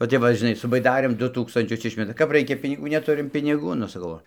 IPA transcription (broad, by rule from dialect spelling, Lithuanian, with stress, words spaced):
ʋɐ ˈtʲɛp ʋɐ ʒʲɪˈnɐɪ sʊ bɐɪˈdɑːrʲeːm ˈdʊ ˈtuːkstɐnʲt͡ʃʲʊs ˈɪʃʲmʲɛtɐ kɐp ˈrɐɪkʲɛ pʲɪnʲɪˈɡuː nʲɛˈtʊrʲɪm pʲɪnʲɪˈɡuː nʊ sɐˈkɐʊ ˈoː